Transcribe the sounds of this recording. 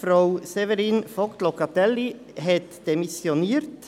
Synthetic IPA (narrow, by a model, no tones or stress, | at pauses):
fɾaʊsevɛɾiːnfɔkt̪lokɑt̪ɛlːi | ɦɛt̪d̥emisjoniːɾt